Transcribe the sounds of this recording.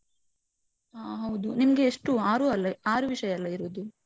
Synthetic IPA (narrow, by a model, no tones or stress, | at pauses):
aɦɐwd̪unimɐɡe̞ːʂʈuaːɾuːɐlːɐaːɾuʋiʂɐjɐɐlːɐiɾuːd̪u